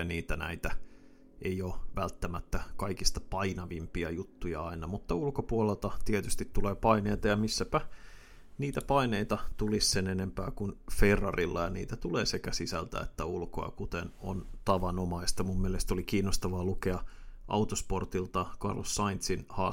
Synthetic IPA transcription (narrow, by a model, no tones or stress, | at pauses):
niːt̪ænæ̰it̪æ | ʔejoːʋælt̪ːæmæt̪ːækɑikist̪ɑ̥pɑinɑʋimpiɑjut̪ːujɑ̰ɑinɑmut̪ːɑulkopuolelt̪ɑt̪iet̪yst̪it̪t̪ːuleːpɑineːt̪ɑjɑmisːæpæ | niːt̪æpɑineit̪ɑt̪ulissenenempæːkunferːɑ̰rilːɑjɑnḭːt̪æt̪uleːsekæsisæ̰lt̪æ̰ḛt̪ːæulko̰ɑ̰kut̪eno̰nt̪ɑʋɑnomɑist̪ɑmumːielest̪olikiːnːost̪ɑʋɑːlukeɑʔɑ̰ut̪osport̪ilt̪ɑkɑ̰rlosːɑint̪sinhɑː